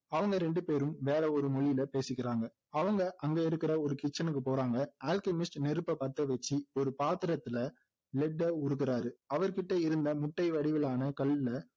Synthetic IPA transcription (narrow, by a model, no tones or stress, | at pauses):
ɐʋɐŋɡɐɾɛɳɖɯpeːɾɯmʋeːɾɐɔɾɯmɔɭɪjɪlɐpeːsɪkːɪɾaːŋɡɐ | ɐʋɐŋɡɐʔɐŋɡeɪɾɯkːɪɾɐɔɾɯkɪt͡ʃːɐnɯk̬ːɯpoːɾaːŋɡɐaːlkɐmɪsʈnɛɾɯpːɐpɐt̪ːɐʋɛt͡ʃːiɔɾɯpaːt̪ɪɾɐt̪ːɪlɐ | lɛɖːɐʊɾɯkːɪɾaːɾɯɐʋɐɾkɪʈːɐɪɾɯnd̪ɐmʊʈːɐɪʋɐɽɪʋɪlaːnɐkɐɭːɪlɐ